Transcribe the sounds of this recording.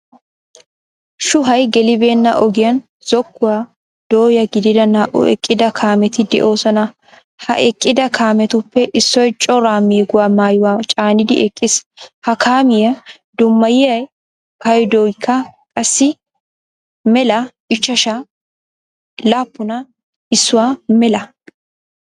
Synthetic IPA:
ʃʊɦɐjɡɛlɪbe̞ːnːɐ̰ʔɔɡɪjɐn | z̥ɔkːʊwaː | d̪̥oːjɐɡɪd̪ɪd̪ɐnaːʔʊ̰ɛ̰kʼːɪd̪ɐkʰaːmɛt̪ɪd̪ɛ̰ʔo̞ːsɔnɐ | hɐ̰ʔɛkʼːɪd̪ɐkʰaːmɛt̪ʊpːɛʔɪsːɔjt͡ʃʼɔɾaːmiːɡʊwaːmaːjʊwaːt͡ʃʼaːnɪd̪ɪ̰ʔɛkʼːɪshɐkʰaːmɪjɐ | d̪ʊmːɐjɪɐj | kɐjd̪oːjkʰːɐkʼɐsːɪ | mɛlɐʔɪt͡ʃːɐʃa | laːpːʊnɐ | ɪsːʊwaːmɛlɐ

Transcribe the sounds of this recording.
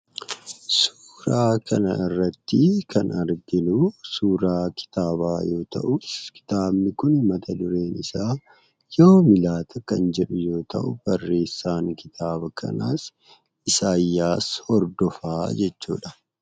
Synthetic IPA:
suːɾaːkʰɐnɐ̰ɪrːɐt̪ːɪkʰɐnɐɾɡɪnusuːɾaːkɪ̥t̪aːbaːjo̞ːt̪ɐ̰ʔʊskɪ̥t̪aːbnɪkʊnmɐt̪ʰɐd̪ʊɾe̞ːnɪsaː | jo̞ːmɪlaːt̪ʰɐkɐnd͡ʒɛᶑʊjo̞ːt̪ɐ̰ʔʊb̥ɐrːe̞ːsːaːŋkɪt̪ʰaːbɐkʰɐ̰na̰ːs | ɪsaːjːaːshɔɾd̪ɔfaːd͡ʒɛt͡ʃːṵːᶑɐ

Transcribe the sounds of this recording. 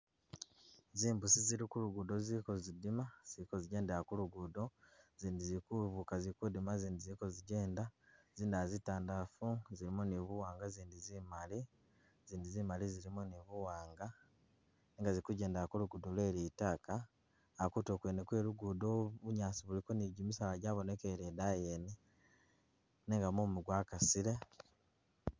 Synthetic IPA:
ziːmbusiziɾikuluɡudo̞ziːko̞zidimaz̥ikoziɟe̞ːndaakuluɡudo̞ziːndizikuβukazikudimaziːndiziko̞ziɟe̞ːndaziːndazitaːndafuziɾimoniβuwaːŋɡaziːndizimali | ziːndizimaliziɾimoniβuwaːŋɡa | niːŋɡaziɾikuɟe̞ːndaakoluɡudolwe̞ːɾitaːkaː | kutokweːnekweːɾuɡudoβuɲaːsiβuliko̞niɟimisalaɟaːβonekeɾedajeːne | neŋɡamumuɡwakasiɾe̞

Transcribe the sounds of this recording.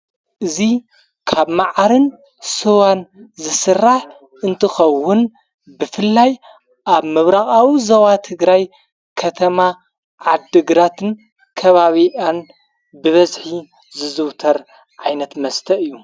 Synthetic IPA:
ʔɨzi | kʰaβmaʕaɾɨn | sɨwanzɨsɨrːaħ | ʔɨnt̪ʰɨxɐwːʊn | bɨfɨlːaj | ʔaβmɨβɾaxʼawizɐwat̪ʰɨɡɾaj | kʰɐt̪ʰɐma | ʕad̪ɨɡɾat̪ʰɨn | kʰɐβaβiʔan | bɨβɐzħi | zɨzɨwt̪ʰɐɾ | ʕajnɐt̪mɐst̪ʰɐʔɨjːu

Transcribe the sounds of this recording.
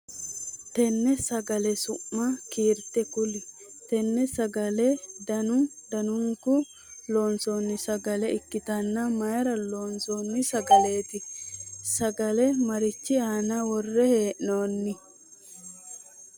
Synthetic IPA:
t̪ɛnːɛsɐɡɐlɛsʊmːɐkiːɾt̪ɛkʊlɪ | t̪ɛnːɛsɐɡɐlɛd̪ɐnʊd̪ɐnʊŋkʊ | lo̞ːnsonːɪsɐɡɐlɛɪkːɪt̪ɐnːɐmɐjɾɐloːnsoːnːɪsɐɡɐleːt̪ɪsɐɡɐlɛmɐɾɪt͡ʃːɪaːnɐwɔrːɛhe̞ːʔnoːnːɪ

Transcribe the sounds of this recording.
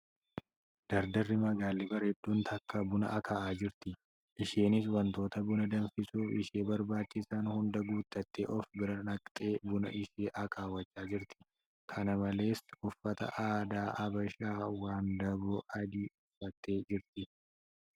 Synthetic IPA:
d̪̥ɐɾd̪ɐrːɪmɐɡaːlːɪbɐɾhɪd̪ːuːnt̪ʰɐkːɐbʊnɐ̰ʔɐkʰɐʔaːd͡ʒɪɾt̪ɪ | ʔɪʃeːnɪswɐnt̪o̞ːt̪ɐbʊnɐd̪ɐnfɪsuːfɪʃeːbɐɾbaːt͡ʃːɪsaːnhʊnd̪ɐɡuːt̪ːɐt̪ːḛːʔɔfbɪɾɐnɐkʼt̪ʼeːbʊnɐ̰ʔɪʃeːʔɐkʰaːwɐt͡ʃːaːd͡ʒɪɾt̪ɪ̥ | kʰɐnɐmɐle̞ːskʊfːɐt̪ɐ̰ʔaːd̪aːʔɐbɐʃaːwaːnd̪ɐbɔʔɐd̪iːɪfɐt̪ːe̞ːd͡ʒɪɾt̪ɪ

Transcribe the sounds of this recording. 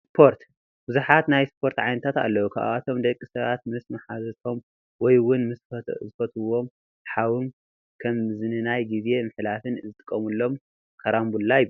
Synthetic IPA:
sspʰo̞ɾt̪ | b̥ɨzuħat̪najspʰo̞ɾt̪ʕajnɐt̪ʰat̪a̰lːɐwukʰa̰ʔa̰ʔat̪ʰo̞md̪ɐkʼːisɐβat̪̚mɨsmɐħazɐt̪ʰo̞m | wɔjwʊnmɨszɨfɐt̪ʰɨwo̞m | ħawɨm | kʰɐmzɨnɨnajɡize̞mɨħlafɨnzɨt̪ʼɨkʼːɐmulːo̞m | kʰɐɾambulːajɪ

